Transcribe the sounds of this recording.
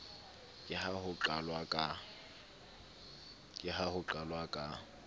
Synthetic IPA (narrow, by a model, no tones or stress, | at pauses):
kʼɪhahʊǃalwakʼa | kʼɪɦahʊǃalwakʼa